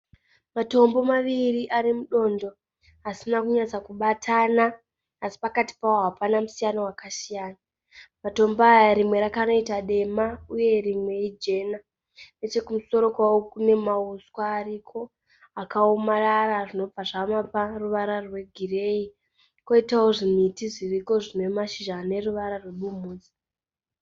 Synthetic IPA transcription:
mato̞mbo̞maʋiriʔaɾimuɗo̞ndo̞ | ɦasinakuɲat͡sakuɓatʰanaː | si̥pakati̥pawoɦapanamusijanowakasijaːna | mato̞mboːjaɾimwe̞ɾakano̞itaɗe̞mauje̞rimwe̞id͡ʒe̞na | net͡ʃe̞kumuso̞ɾo̞kwawokune̞mauskwaːrikʰo̞ | akaomararaʐino̞b͡vaʐamaparuʋaɾarwe̞ɡʱire̞i | ko̞itaoʐimitiʐiriko̞ʐinwe̞maʃiʒaːne̞ruʋaɾarweɓumuːd͡zi̥

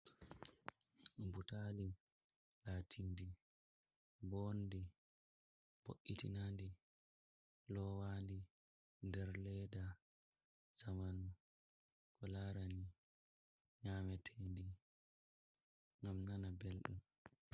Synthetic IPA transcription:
mbutali | laːtʰindi | bondi | b̥o̰ʔːitḭnandi | lɔwaːndi | ndɛɾlɛda | z̥aman | kɔlaɾani | ɲaːmɛtʰendi | ŋɡamnanabɛlɗṵm

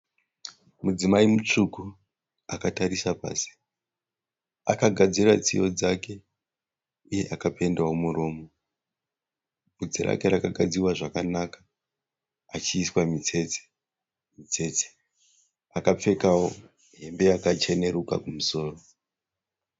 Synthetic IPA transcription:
mud͡zimaimut͡ʂuku | akataɾisapa̰ːsi̥ | akaɡʱad͡zirat͡sijo̞d͡zake̞ | uje̞ʔakape̞ndawomuro̞ːmo̞ | bud͡ziɾa̰ke̞ɾakaɡʱad͡ziwaʐakanakḁ | at͡ʃiːswamit͡se̞t͡se̥ | mit͡se̞t͡se̥ | akap͡fe̞kawo̞ | ɦe̞mbe̞jakat͡ʃe̞ne̞ɾuka̰kumuso̞ːro

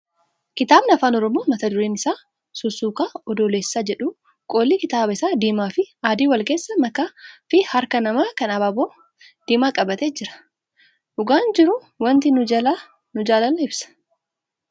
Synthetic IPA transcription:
kɪt̪aːbnɐɐfaːnɔɾɔmo̞ːmɐt̪ɐd̪ʊɾeːnɪsaː | sʊsuːkaːɔd̪oːleːsːaːd͡ʒɛᶑu | kʼo̞ːlːiːkɪt̪aːbɐɪsaːd̪iːmaːfɪaːd̪iːwɐlkeːsːɐmɐkaːfɪhɐɾkɐnɐmaːkɐnɐbaːboː | d̪̥iːmaːkʼɐbɐt̪eːd͡ʒɪɾɐ̥ | ʔʊɡaːnd͡ʒɪɾʊ | wɐnt̪ɪnʊd͡ʒɐla | nʊd͡ʒaːlɐnɪbsɐ̥

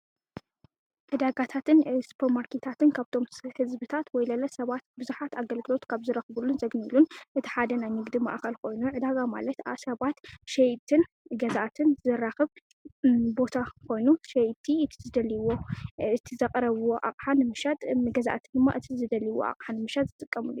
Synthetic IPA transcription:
ʕɨd̪aɡat̪ʰat̪ʰɨnspʰɐɾmaɾkʰet̪ʰat̪ɨnkʰaβt̪ʰo̞mhɨzbɨt̪ʰat̪wɔjlɐlɐsɐβat̪bɨzuħat̪aɡɐlɡɨlo̞t̪kʰaβzɨɾɐxβulːunzɐɡnilunʔɨt̪ʰi̥ħad̪ɐnajnɨɡd̪ima̰ʔxɐlkʰo̞jnuʕɨd̪aɡama̰lɐt̪asɐβat̪ʃɛjt̪ʰɨn | ɡɐzaʔat̪ʰɨnzɨɾaxɨβ | bo̞t̪ʰakʰo̞jnuʃɛjt̪ʰːiʔɨt̪ʰi̥zɨd̪ɐliwo̞ɨt̪ʰizɐkʼɾɐβuwoʔa̰qʼħanɨmɨʃat̪ʼɡɐzaʔat̪ʰɨnd̪ɨmːa̰ʔɨt̪ʰizɨd̪ɐliwo̰a̰qʼħanːɨmɨʃat̪̚zɨt̪ʼɨkʼːɐmɨlṵju

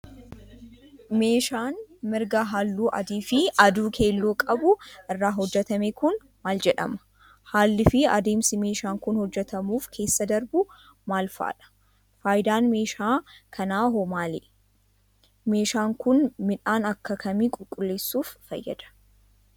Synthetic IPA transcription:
me̞ːʃaːnmɪɾɡɐɦalːuːʔɐ̰d̪iːfɪɐd̪uːkʰe̞ːlːoːkʼɐbʊʔɪrːaːɦɔd͡ʒːɛt̪ɐmeːkʊn | maːld͡ʒɛᶑɐ̰mɐ̥ | haːlːɪfɪɐ̰d̪e̞ːmsɪme̞ːʃaːŋkʊnhɔd͡ʒːɛt̪ɐmuːfkʰe̞ːsːɐd̪ɐɾbʊ | maːlfa̰ːᶑɐ̥ | faːjɪd̪aːnme̞ːʃaːkʰɐnaːɦomaːle | me̞ːʃaːŋkʊnmɪᶑaːnɐkːɐkʰɐmiːkʼʊlkʼʊlːe̞ːsːuːfːɐ̰jːɐ̰d̪̥ɐ̥

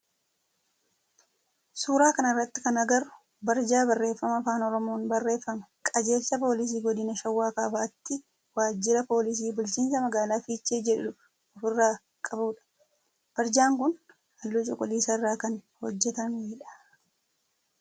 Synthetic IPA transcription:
suːɾaːkɐnɪrːɐt̪ːɪ̥kɐnɐɡɐɾʊ̥ | bɐɾd͡ʒaːbɐrːe̞ːfːɐmɐfaːnɔɾɔmo̞ːnbɐrːe̞ːfːɐmɐkʼɐd͡ʒe̞ːsɐpo̞ːlɪs̬iːɡɔd̪ɪnɐʃɐwːaːkaːbaːt̪ːɪ | waːd͡ʒːɪɾɐpo̞ːlɪs̬iːbʊlt͡ʃiːnsɐmɐɡaːlaːfiːt͡ʃːeːd͡ʒɛᶑᶑʊ | ɔfɪrːaː | kʼɐbuːᶑɐ̥ | b̥ɐɾd͡ʒaːŋkʊn | ɐlːut͡ʃʼɔkʼʊliːsɐɪrːaːkɐnhɔd͡ʒːɛt̪ɐneːᶑɐ̥

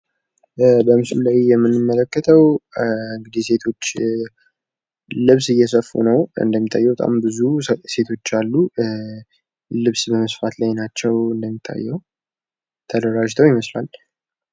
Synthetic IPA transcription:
bəmɨslulajjɛmːɨnːɨmːələkːət̪ʰəwɨŋɡɨd̪ise̞t̪ʰo̞t͡ʃː | lɨβsɨjːɛsəfːṵnəwɨ̰nd̪əmːit̪ʰʼːajːɛwbət̪ʼa̰mbɨzuse̞t̪ʰo̞t͡ʃːalːu | lɨβsbəməsfat̪lajnat͡ʃːɛwɨnd̪əmːit̪ʰːa̰jːɛw | t̪ʰəd̪əɾaʒt̪ʰəwjɪməslal

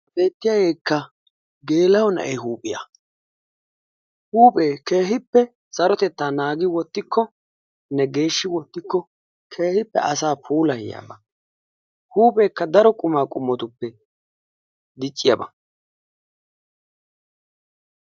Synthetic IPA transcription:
be̞ːt̪ːɪjaːɡe̞ːkːɐ | ɡe̞ːlɐwɔnɐ̰ʔɛjɦuːpʼɪjɐ̰ | huːpʼe̞ːke̞ːɦɪpːɛ | sɐɾɔt̪ɛt̪ːaːnaːɡɪwɔt̪ːɪkːɔ | nɛɡe̞ːʃːɪwɔt̪ːɪkːɔ | kʰe̞ːhɪpːɛ̰ʔɐsaːpʰuːlɐhɪja̰ːbɐ | huːpʼe̞ːkːɐd̪ɐɾɔkʼʊmaːkʼʊmːɔt̪ʊpːɛ | d̪ɪt͡ʃʼːɪjɐbɐ

